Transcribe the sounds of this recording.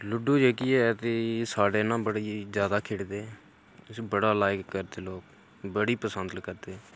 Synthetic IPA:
lʊɖuːd͡ʒeːkiːɛːt̪eːsaːɖeːnãːbəɽiːzjaːd̪aːkʰeːɽd̪eː | sbəɽaːlaːjɪkːəɾd̪eːloːk̚ | bəɽiːpəsənd̪kəɾd̪eː

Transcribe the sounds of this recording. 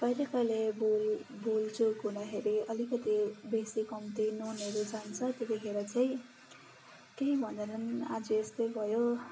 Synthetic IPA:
bʌjɾʌkʌlebolbult͡sokɦunʌkeɾiʔʌlikʌt̪ibesikʌmt̪inoneɾud͡zant͡sʰʌt̪ekʌɦeɾʌt͡saj̃ | keibʱʌnd̪ʌnʌnad͡zʌest̪ʌjbʱʌjo

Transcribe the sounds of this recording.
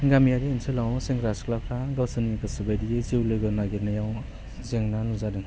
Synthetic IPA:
ɡamijadinsʰɯlawseŋɡɾasklapʰɾaɡawsɯnmikɯsɯbajdiezewlɯɡɯnaɡeɾnajaw | zeŋnanuzadɯŋ

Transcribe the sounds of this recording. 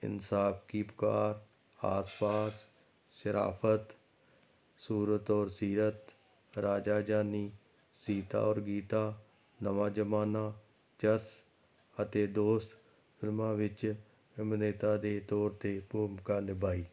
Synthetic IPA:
ɪ̰nsaːfkiːpʊ̥kaːɾ | a̰ːspaːs | ʃəɾa̰ːfʰət̪ | suːɾət̪ɔːɾsiːɾət̪ | ɾaːd͡ʒaːd͡ʒaːniː | siːt̪a̰ːɔːɾɡiːt̪aː | nəʋaːd͡ʒəmaːnaː | t͡ʃəs | ət̪eːd̪oːst̪ | fɪlmãːʋɪt͡ʃ | ɪmneːt̪aːd̪eːt̪ɔːɾt̪eːpoːmkaːnɪbaːiː

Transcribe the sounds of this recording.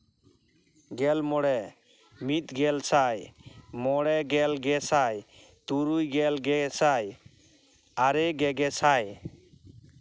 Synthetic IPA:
ɡɛlmɔɽɛ | mit̪ɡɛlsajmɔɽɛɡɛlɡɛsaj | t̪uɾujɡɛlɡɛsaj | aɾɛɡɛɡɛsaj

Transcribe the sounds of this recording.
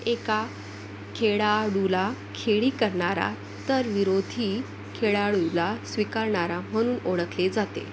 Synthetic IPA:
eka | kʰeɭaɽulakʰeɭiːkəɾɳaɾa̰ | t̪əɾʋiɾod̪ʱi | kʰeɭaɽulasʋikaɾɳaɾam̤əɽ̃uːnoɭəkled͡zat̪ḛ

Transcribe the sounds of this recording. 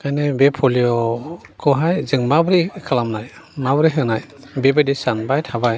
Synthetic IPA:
kajnɛbepʰɔlijɔkʰɔɦajzɯŋmabɾikʰalamnaj | mabɾiɦɯnaj | bebadisanbajtʰabaj

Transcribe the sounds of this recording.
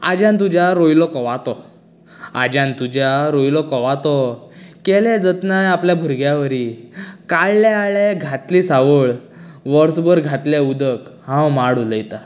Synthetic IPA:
a̰d͡ʑãnt̪ud͡ʑjaɾojlɔkɔʋat̪ɔ | a̰d͡ʑãnt̪ud͡ʑjaɾojlɔkɔʋat̪ɔkɛlɛd͡zət̪najapljabʱuɾɡjaʋəɾiːkaɭːɛaɭeɡʱat̪liːsaʋəɭ | ʋəɾsbəɾɡʱat̪leud̪əkhãwmaɽuləjt̪a

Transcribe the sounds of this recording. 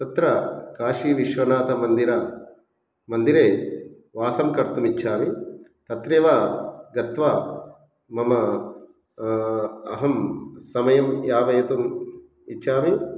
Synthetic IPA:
t̪ɐt̪ɾɐkaːʃiːʋiʃʋɐnaːt̪ɐmɐnd̪iɾaː | mɐnd̪iɾeː | ʋaːsɐmkɐɾt̪umit͡ʃːʃʰaːmit̪ɐt̪ɾeːʋaːɡɐt̪ʋaː | mɐmɐ | ɐɦɐmsɐmɐjɐmjaːʋɐjɐt̪um | it͡ʃːʃʰaːmi

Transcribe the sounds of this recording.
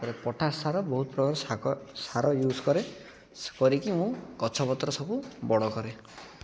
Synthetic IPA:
pɔɾepɔʈʰaɾsaɾɔbɔɦut̪ɔpɾɔbaɾɔsaɾɔjuskɔɾe | kɔɾikimũkɔt͡ʃʰɔpɔt̪ɾɔsɔbubɔɽɔkɔɾe

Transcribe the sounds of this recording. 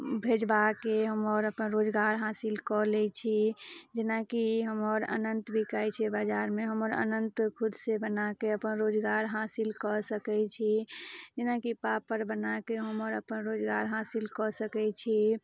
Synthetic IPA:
bʱed͡ʒbakeɦəməɾəpənɾod͡ʒɡaɾɦasilkɔlɛt͡ʃʰid͡ʒenakiɦəməɾə̰nənt̪bʱikajt͡ʃʰɛbad͡ʒaɾmeɦəməɾə̰nənt̪kʰud̪sebənakeəpənɾod͡ʒɡaɾɦasilkɔsəkɛt͡ʃʰid͡ʒɪnakipapəɾbənakeɦəməɾəpənɾod͡ʒɡaɾɦasilkɔsəkɛt͡ʃʰi

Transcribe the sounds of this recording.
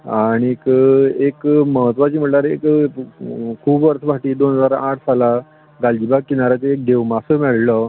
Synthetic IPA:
aɽ̃ikekməɦət̪ʋat͡ɕiːm̤əʈlaɾek | kʰuːbʋəɾsʰbaʈiːd̪onɦəd͡zaɾaʈʰsala | ɡald͡ʑibaɡ̚kinaɾat͡seek̚d̪ʱeʋmasəmɛɭlə

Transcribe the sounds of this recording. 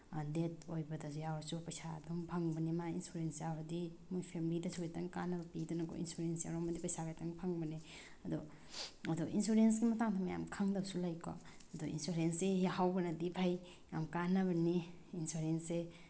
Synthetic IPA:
detojbɐdasujawaɾsupajsadɔmpʰaŋbɐnimainsuɾensjawaɾdimujpʰemilidɐsʰukajtɐŋkanɐbɐpidɔnakɔ̰ḭnsuɾensja̰wɾɔmadipɐjsaɡajtɐŋpʰaŋbɐni | ɐdɔ | adɔʔinsuɾens̬ɡimɐtaŋtʰamaja̰mkʰaŋdɐbsulajkʰɔ̰ | ɐdɔḭnsuɾensehawɡɐnɐdipʰaj | ja̰mkanɐβɐni | insuɾense

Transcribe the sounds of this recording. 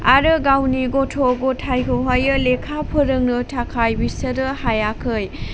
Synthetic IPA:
aɾɯɡawniɡotʰoɡotʰajkʰɯwɦajɯlekʰapʰɯɾɯŋnɯtʰakʰajbisəɾɯhajakʰɯj

